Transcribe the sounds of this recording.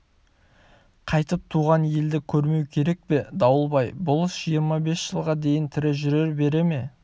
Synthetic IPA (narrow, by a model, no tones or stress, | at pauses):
qʰɑjt̪əp̚t̪ʰuʁɑnje̞ld̪ɪkʲʰɵɾme̞wkʲʰe̞ɾe̞k̚pe̞d̪ɑwəlˠbɑjbʊlˠəsʒijəɾmɑbe̞sʒ̥əlˠʁɑd̪e̞jɪnt̪ʰɪɾɪʒʏɾe̞ɾbe̞ɾe̞me̞